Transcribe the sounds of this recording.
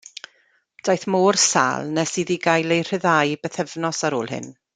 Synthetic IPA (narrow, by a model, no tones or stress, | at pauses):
d̥ajθmoːrsa̰ːlˠnɛsiðiɡajlˠejr̥ɪðajbɛθɛvnɔsaɾoːlˠhɪ̰n